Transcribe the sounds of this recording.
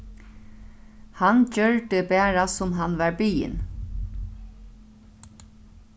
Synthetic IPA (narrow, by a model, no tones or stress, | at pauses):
hancœɹd̪əbɛːɹasʊmɦanʋɑɹbiːɪ̰n